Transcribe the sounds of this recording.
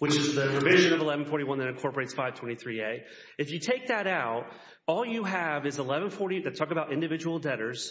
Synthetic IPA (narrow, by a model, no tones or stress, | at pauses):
wɨt͡ʃɨzðɨpʰɹ̥ɨvɪʒɨ̃nʌvəlɛvn̩fɔɹɾiwʌ̃nðɨ̃nɨ̃kʰɔɹpə˞eɪtsfaɪv̥tʰwɛ̃ɾ̃iθɹieɪ | ɨfjɨtʰeɪk̚ðɨɾaʊt̚ | ɔlˠjɨəvɨzəlɛvə̃n̩fɔɹɾiðɨtʰɔkəbaʊɾɪ̃ndɨvɪd͡ʒəwl̩ˠdɛɾə˞z̥